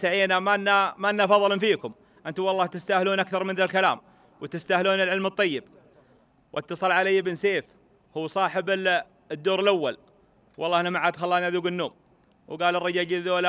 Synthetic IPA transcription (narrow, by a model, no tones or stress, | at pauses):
saʕiːnamaʔnːamaʔnːafɑðˤlmfiːkʊm | ʔɪnt̪ʊmwɑlˤːɑːht̪ɪst̪ahluːnʔakθɑɾˤmɪnðalkala̰ːm | wt̪ɪst̪ahluːnɪlʕɪlmɨt̪ˤːɑjːɪb̚ | wʔɪt̪ːɑsˤɑlʕalajːɪbɪnseːf | huːsˤɑːħɪbɪ | d̪ːoːɾɪlʔawːal | wʔɑlːˤɑːhanamaʕaːd̪xɑlːɑːniʔaðuːɡɪnːoːm | wɡaːlɪrˤːɑd͡ʒaːd͡ʒɪðola